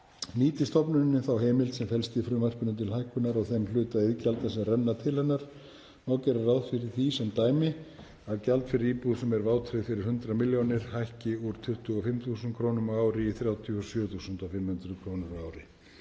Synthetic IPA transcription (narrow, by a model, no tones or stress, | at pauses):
niːt̪ɪst̪ɔpnʏnːɪθawɦeːjmɪlt̪sɛmfɛlst̪ɪfɾʏːmar̥pʏnʏt̪ʰɪlhajhkʏnaɾɔɣθɛmlʏːt̪aɪðcalt̪asɛmrɛnːat̪ʰɪlhɛnːaɾ̥ | nawcɛɾarawðfɪɾɪɾ̥θisɛmt̪aːjmɪ | aðcalt̪fɪɾɪɾiːpuðsɛmɛɾvaːwt̪ʰɾɪðfɪɾɪɾ̥hʏnt̪ɾamɪljownɪɾ̥hajhcɪuɾ̥t̪ʰʏht̪ʏɔfɪmθusʏnkʰɾoːwnʏmaːwɾɪiθɾjaːwt̪ʰiɔsjœːθusʏnt̪afɪmhʏnt̪ɾʏkʰɾoːwnʏɾaːwɾɪ